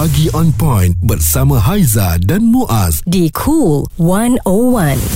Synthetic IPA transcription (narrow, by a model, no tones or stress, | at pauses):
aɡiʔɔ̃npɔ̃jnbərsamãɦajzadãnmũʔasdikʰulwãnowãn